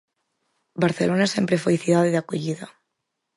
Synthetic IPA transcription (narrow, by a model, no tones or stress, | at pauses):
baɾθelonasempɾefojiθiðaðiðakoʎiða